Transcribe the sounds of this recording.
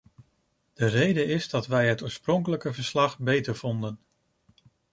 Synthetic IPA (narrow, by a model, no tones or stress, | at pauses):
d̥ərejdəɪzdɑtʋɛjɦətoːɹsprɔŋkələkəvəɹslɑχbejtəɹv̥ɔndən